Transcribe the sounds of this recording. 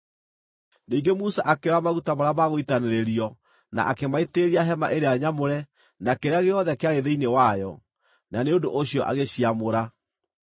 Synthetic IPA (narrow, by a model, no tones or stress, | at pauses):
niːŋɡemusaʔakeɾamaɣutamoɾamaɣoitaneɾeɾiɔ | na̰ʔakemaeteɾiaɦɛma̰ʔeɾeaɲamoɾɛ | nakeɾeaɣeɔðɛkeaɣeðeinewajɔ | naneodoʔoɕiɔʔa̰ɣeɕiamoɾa